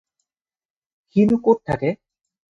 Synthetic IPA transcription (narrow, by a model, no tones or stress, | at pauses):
hinukoʈ̚t̪ʰa̰ke